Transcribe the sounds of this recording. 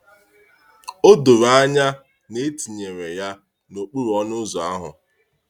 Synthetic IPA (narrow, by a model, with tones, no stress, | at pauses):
o˦dʊ˨ɾa˦ɲa˦ | ne˦ti˨ɲe˨ɾe˨ja˦ | no˨k͡pu˦ɾɔ˦nʊ˦zɔ˨a̰˦ɦʊ̰˨